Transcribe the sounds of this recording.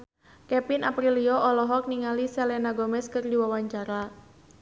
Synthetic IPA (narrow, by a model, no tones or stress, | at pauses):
kɛpinapɾiliɔʔɔlɔɦɔk̚niŋalisɛlɛnaɡomɛskɨrdiwawaɲt͡ʃaɾa